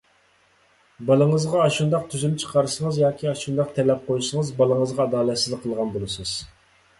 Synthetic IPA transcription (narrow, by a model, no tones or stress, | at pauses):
bɑlˠəŋəzʁɑːʃund̪ɑqt̪ʰyzymt͡ʃʰə̥qʰɑɾɨsəŋəzjɑːkʲʰiɑʃund̪ɑq̚t̪ʰɛlɛp̚qʰojsəŋəzbɑlˠəŋəzʁɑɑd̪ɑːlˠɛt̪sɪzlqʰːəlˠʁɑnbolˠɨsɨz̥